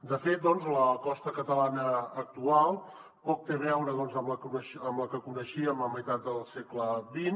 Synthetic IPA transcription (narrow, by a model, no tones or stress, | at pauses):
d̪əfet̪̚d̪ɔnzləkɔst̪əkət̪əlanəːk̚t̪ualˠ | pɔk̚t̪eβɛwɾəðɔnzəmləkunəʃəmləkəkunəʃiəmləməjt̪at̪̚d̪əlˠsekləβin